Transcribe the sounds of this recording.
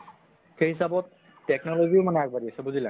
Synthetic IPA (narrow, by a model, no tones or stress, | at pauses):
xeɦisabɔtː | ɛknɔloɡiomanɛak̚baɹiasɛbuzilɛ̰